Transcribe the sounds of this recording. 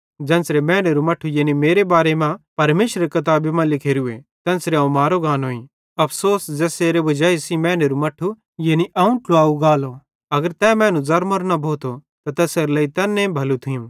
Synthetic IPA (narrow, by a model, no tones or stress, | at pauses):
d͡ʒɛ̃ːnsɾemɛ̃ːneɾumɐʈʰːujeːnimeːɾebaːɾemãpɐɾmeːʃɾɐɾekɐt̪̬aːbemãlɪkʰeːɾuet̪ɛ̃ːnsɾeaːũmaːɾoɡãːnɦoːĩ | ɐpʰsoːsd͡ʒɛːseːɾebɐd͡ʒaːisimɛ̃ːneɾumɐʈʰːu | jeːniʔɐːũʈʊaːuɡaːlo | ɐɡəɾt̪ɛːmɛ̃ːnũzɐɾmɐɾnabʱoːt̪ʰo | t̪at̪ɛːseɾlɐːit̪ɛːnːẽbʱɐlut̪ʰijũ